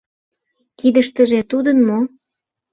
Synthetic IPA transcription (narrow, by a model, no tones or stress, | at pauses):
kid̪əʃt̪ə̆ʒĕt̪ud̪ənmo